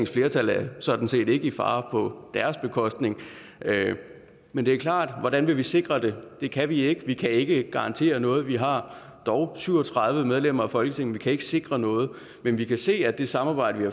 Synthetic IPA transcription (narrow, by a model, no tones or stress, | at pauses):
ŋsfle̝ːɐt͡sʰælæɐsɒ̽d̥n̩se̝̰ːde̝ɡ̥əifɑ̰̈ːpʰɒ̽d̥æɐsb̥e̝kʰɒ̽sd̥ne̝ŋ | mend̥e̝æɐkʰlɑ̰̈ːd̥ʋɒ̽ɾænʋe̝ʋise̝ɡ̥ʁɐd̥e̝d̥e̝kʰæʋie̝ɡ̥əʋikʰæe̝ɡ̥əɡ̥ɑ̈ɑ̈nt͡sʰe̝̰ːɐnɔ̽ːð̞̩ˠʋiɦɑ̈ | d̥ɒʊsyʊ̰ɒ̽t͡sʰʁɑ̈ð̞ˠʋəmeðˠlem̰ɐɒ̽fɒ̽lɡ̥ə̥t͡sʰe̝ŋ̰n̩ʋikʰæe̝ɡ̥əse̝ɡ̥ʁɐnɔ̽ːð̞̩ˠ | menʋikʰæse̝̰ːæd̥e̝sɑ̈mɑ̈ːb̥ɑ̈ɪ̰d̥ɐʋihɑ